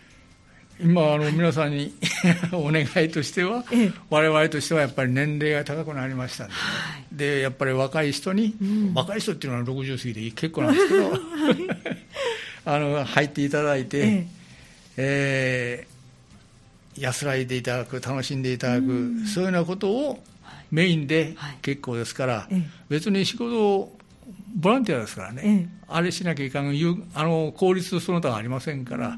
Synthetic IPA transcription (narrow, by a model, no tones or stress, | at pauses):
imaːno̞mʲinas̬ãɲ̟ːianoːne̞ɡait̪o̞ɕi̥t̪e̞βaβaɾe̞βaɾe̞t̪o̞ɕi̥t̪e̞βajapːaɾʲinẽ̞nɾe̞ːɡat̪akakɯ̟naɾʲimaɕi̥t̪ãnd̪ed̪e̞japːaɾʲiβakaiɕi̥t̪o̞ɲ̟iβakaiɕi̥t̪o̞t̪ːeiɯnoaɾo̞kɯ̟ʑɨːsɨɡʲid̪eikʰe̞kːonãnessked̪o | ano̞hait̪ːe̞it̪ad̪ait̪e̞ | jasɨɾait̪̬e̞it̪ad̪akɯ̟t̪ano̞ɕĩnd̪e̞it̪ad̪akɯ̟soːijonako̞t̪o̞ː | me̞ĩnd̪e̞ke̞kːo̞ːd̪e̞sɨ̥kaɾabe̞t͡sɨɲ̟iɕiɡo̞t̪o̞ | bo̞ɾãnt̪ijad̪e̞sɨ̥kaɾa̰ne̞aɾe̞ɕinak̬ʲaikanãjɯːano̞kʰo̞ːɾʲit͡sɨsont̪oβa̰ːɾʲimasẽ̞ŋka̰ɾa̰